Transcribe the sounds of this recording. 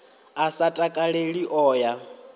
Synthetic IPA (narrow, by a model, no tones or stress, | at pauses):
asatʼakʼaɺeɺiʔɔːja